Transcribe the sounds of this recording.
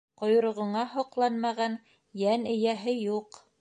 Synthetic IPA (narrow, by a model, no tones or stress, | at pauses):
qŏjŏɾŏʁŏɴɑhŏqlˠɑnmɑʁɑn | jænɘ̆jæɦɘjuq